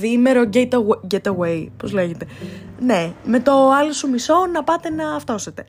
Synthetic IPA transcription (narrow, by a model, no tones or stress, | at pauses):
ðimeɾo̞ɟet̪ɐɟet̪ɐwejpo̞zle̞ʝet̪e̞neme̞t̪o̞ɐlosumiso̞nɐpɐt̪e̞nɐːft̪o̞set̪e̞